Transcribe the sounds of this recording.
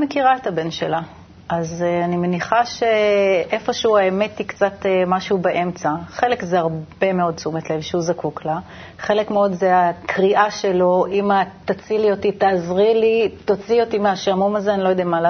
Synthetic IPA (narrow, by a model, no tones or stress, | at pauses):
mekiʁaet̪habenʃela | ʔazanime̞niχaʃe̞ʔe̞fo̞ʃeuaeme̞tikt͡sat̪emaʃubeʔe̞mt͡saχe̞lekzeaʁbe̞meo̞d̚t͡sumet̪levʃeuzakukla | χe̞lekmeo̞dzeakʁiʔaʃe̞lo̞imat̪at͡siliotitaːzʁilit̪ot͡sio̞t̪imeaʃaamomazeanilojo̞d̪ɛamala